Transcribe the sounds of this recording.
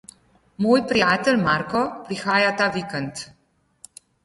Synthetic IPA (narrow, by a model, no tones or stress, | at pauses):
moːjpɾijaːt̪ɛlmaɾkɔpɾixaːjat̪aːʋikɛnt̪